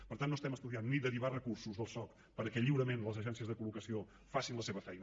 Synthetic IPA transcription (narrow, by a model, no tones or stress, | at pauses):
pəɾt̪anːost̪ɛməst̪uðianːid̪əɾiβarəkursuzðəlˠsɔk | pəɾkɛʎiwɾəmenləzəʒɛnsiəzðəkulukəsio | fasinləseβəfɛjnə